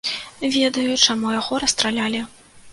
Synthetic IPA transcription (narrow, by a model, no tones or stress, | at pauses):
vʲɛd̪ɐjut͡ʂamujaɣɔɾɐst̪ɾalʲalʲi